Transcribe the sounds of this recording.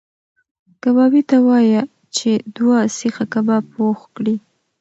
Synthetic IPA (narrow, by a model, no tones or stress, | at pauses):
kabɑbit̪awɑja | t͡ʃed̪wasixakabapoxkɽi